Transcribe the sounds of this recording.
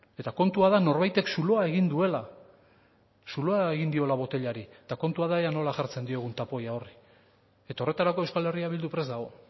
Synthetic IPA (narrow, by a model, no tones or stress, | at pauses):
e̞t̪ako̞nt̪uaðano̞ɾβajt̪e̞ksuloae̞ɣind̪ue̞la | sulo̞ae̞ɣind̪io̞laβo̞t̪e̞ʎaɾit̪ako̞nt̪uaðaeano̞laʝaɾt͡se̞nd̪ie̞ɣ̞unt̪apo̞jao̞ri | e̞t̪ao̞re̞t̪aɾako̞ewskale̞riaβild̪upɾe̞zd̪aɣ̞o̞